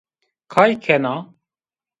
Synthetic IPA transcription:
kʰaːjkʰɛna

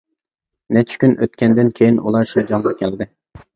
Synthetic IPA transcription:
nɛt͡ʃʰɪ̥kʲynʔø̰t̪̚kʲʰɛnd̪ɪnkʲʰejinṵlˠɑʃid͡ʒɑŋʁɑkʲʰɛld̪ɪ

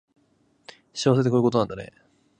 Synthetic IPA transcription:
ɕiaaseekoɾɯ̟ko̞t̪onãnd̪ane̞̰

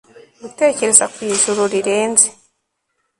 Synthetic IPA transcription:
ɡute̞ːce̞ɾe̞zakwiːʒuɾuɾiɾe̞ːnze

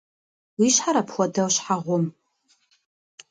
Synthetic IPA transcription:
wiʃħaɾapʰχʷadawʃħaʁʷʊm

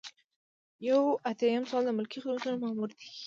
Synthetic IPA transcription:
jawat̪jajəmsɑld̪əmʊlkixəunzanomamuɾd̪i̥

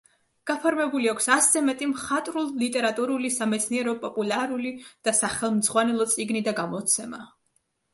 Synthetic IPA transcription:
ɡ̥apʰɔɾmɛbuliakʷʰsaszɛmɛt̪ʼimχat̪ʼɾulˠlit̪ʼɛɾat̪ʼuɾulisamɛt̪sʰniɛɾɔpʼɔpʼulaɾulid̪̥asaχɛlˠmd̪zʁwanɛlˠɔt̪sʼiɡnid̪aɡamɔt̪sʰɛma

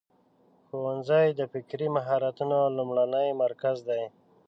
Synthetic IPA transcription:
xowanzajd̪əfɪkɾimaɦɑɾat̪unolumɽanəjmaɾkazd̪aj

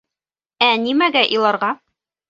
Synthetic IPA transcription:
ænimæɡæʔilˠɑɾʁɑ

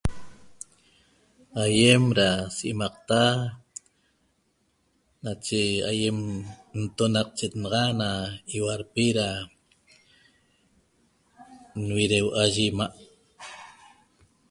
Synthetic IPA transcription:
ajemɾasiʔimɑq̚t̪a | nat͡ʃea̰jemn̩t̪onɑq̚t͡ʃet̪nɑʁɑnaiwaɾpiɾa | nwiɾewʔaʒimaʔ

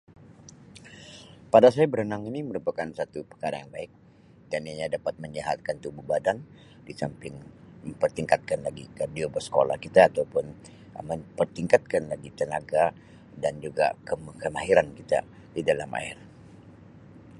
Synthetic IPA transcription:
padas̬ajabəɾhənaŋiniməɾupakansat̪upə̥kaɾanjaŋbaɪk̚ | danaɲadapat̪̚məɲaɦat̪̚kant̪ubuhbadan | disampɪŋməmpərt̪iŋkat̪̚kanlaɡikadiobərsə̥ko̰la̰hkit̪aːt̪aupʊn | məmpərt̪iŋkat̪̚kanlaɡit̪ənaɡa | dand͡ʒuɡa̰kəmkəmaɦiɾankit̪a̰ | didalama̰ɪ̰r

